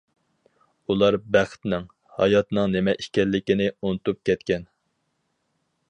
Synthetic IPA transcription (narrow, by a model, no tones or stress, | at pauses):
ulˠɑɾbæχt̪nɪŋ | hɑ̰jɑt̪nɨŋnɪmɛʔiʃkʲɛlːɪkʲinɪunɨt̪up̚kʲɛt̪̚kʲɛn